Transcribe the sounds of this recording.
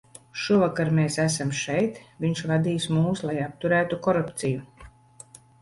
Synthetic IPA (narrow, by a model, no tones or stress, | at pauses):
ʃuvakaɾmeːsæsamʃɛjt̪viɲʃvad̪iːsmuːslˠajap̚t̪uɾæːt̪ukɔɾupt̪siju